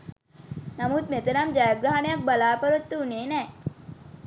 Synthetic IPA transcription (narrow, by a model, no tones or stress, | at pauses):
nɐmut̪met̪ɐnamd͡ʒɐjɐɡɾaɦɐnɐjɐk̚bɐlaːpɐɾut̪ːuuneːnɛː